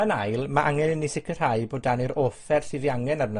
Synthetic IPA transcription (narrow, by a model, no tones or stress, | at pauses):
ənajlˠmaʔaŋɛnɪnːisɪkʰər̥ajboːdaniɾofɛrsɨːðiaŋɛnarnə